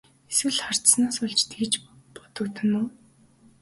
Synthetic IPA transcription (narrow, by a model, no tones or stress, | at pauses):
eswɘ̆ɮχar̥t̪snaːsʊɮt͡ɕt̪ɡit͡ɕpɔ̥t̪ɞ̆kt̪ə̆nuː